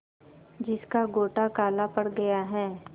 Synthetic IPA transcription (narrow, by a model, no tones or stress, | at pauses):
d͡ʒɪskaɡoːʈakaːlapɐɽɡɐjaɦɛː